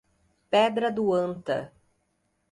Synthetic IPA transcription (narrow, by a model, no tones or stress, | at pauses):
pɛd̪ɾɐd̪ʊɐ̃nt̪ɐ̰